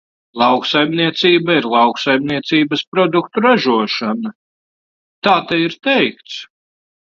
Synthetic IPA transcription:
lˠɑwksajmniɛt̪siːbaiɾlˠɑwksajmniɛt̪siːbɐspɾɔd̪ukt̪uɾaʒuɔʃanɐ | t̪aːt̪ɛiɾt̪ɛjkt̪s

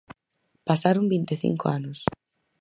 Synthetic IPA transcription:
pasaɾombint̪eθḭŋkoanʊs

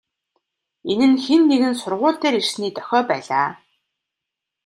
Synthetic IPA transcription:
enɘ̆nxenːeɣɘ̆nsʊrʁʊːɬt̪eːɾir̥sniːt̪œ̥xʲɔːpæːɮaː

